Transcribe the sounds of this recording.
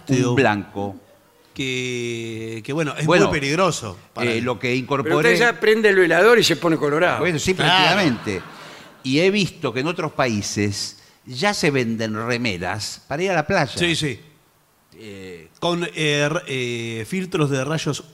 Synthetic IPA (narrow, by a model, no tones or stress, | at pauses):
t̪bla̰ŋko | ke | keβwenoʔesbwemujpeliɣɾoso̰palo̞keiŋko̞ɾpeɾouoɾt̪eeʒapɾend̪elβelaðo̞ɾiseponekoloɾa̰bwenosipɾeisamẽ̞nt̪eieβist̪o̞keno̞t̪ɾospaises | ʒase̞βe̞nd̪enremeða̰spaɾaiɾalaplaʒasisi | ekonerefilt̪ɾozðeraʃos